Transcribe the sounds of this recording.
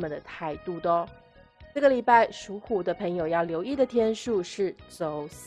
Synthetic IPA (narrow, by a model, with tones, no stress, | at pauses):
mə˨nd̪ə˩t̪ʰa˥˧ɪt̪u˥˩t̪ə˧˩ | t͡sɤ˥˩ɡə˩li˨˩pa˥˩ɪʂu˧˥xu˨˩d̪ə˦pʰə˧˥ŋjo˨˩ʊjɑ˥˩ʊljo˧˥ʊi˥˩d̪ə˩t̪ʰjɛ˥nʂu˥˧ʂɻ̩˥˩t͡so˨˩ʊ